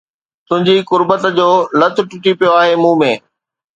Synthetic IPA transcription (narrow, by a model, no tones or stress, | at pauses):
t̪ʊ̃ɦɪ̃ɲd͡ʑikʊɾbət̪d͡ʑoːlɐt̪ʰʊ̆ʈʊʈipijoaːɦemũːmẽː